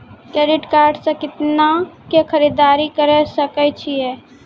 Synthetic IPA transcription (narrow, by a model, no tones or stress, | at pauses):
kɛːɾɪʈkaːɾɖsekɪt̪nakekʰɐɾiːd̪aːɾikɐɾəsɐkət͡ʃʰiɛː